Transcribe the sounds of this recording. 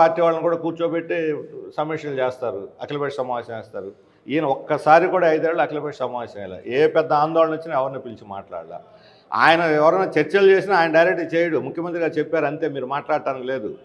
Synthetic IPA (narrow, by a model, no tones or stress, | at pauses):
aːɾʈːiːʋaːɭlɐnikuːɽaːkuːɾt͡ʃopeʈːesɐmeʂɐlt͡ʃeːst̪aːɾuɐklɐbeːʂsɐmaːʋɐːsɐmɛːst̪aːɾu | iːnɐɔkːɐsaːɾikuːɽaːɐjd̪aːɭːluɐklɐbeːʂsɐmaːʋɐsɐmɛ̰la̰ʔeːpɛd̪ːɐaːnd̪ɔːɭɐnut͡ʃːinɐɛʋɐɾniːpilt͡ʃima̰ːʈla̰ːɽla̰ | a̰ːjɐnɐɛʋɐɾɐjnaːt͡ʃeɾt͡ʃelt͡ʃeːsinaaːjɐnɐɖɐjɾek̚ʈiːt͡ʃeːjɐɽumukʰjɐmɐnt̪̬ɾiɡaːɾt͡ʃepːaːɾɐnt̪e̞ːmiːɾumaːʈlaːɽʈ̪aːnikle̞ːd̪u